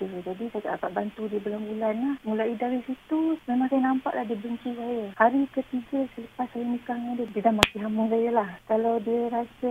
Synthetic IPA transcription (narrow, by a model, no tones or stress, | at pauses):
dəd͡ʒadit̪ak̪a̰akaʔbant̪udiəbəlambulanlahmulaidaɾisit̪uməmakajnampa̰ʔlahdiəbəɲt͡ʃisajəhaɾikət̪iɡəsələpasːajənikaŋadədiədamakiɦaməs̬ajəlahkaladiəɾasə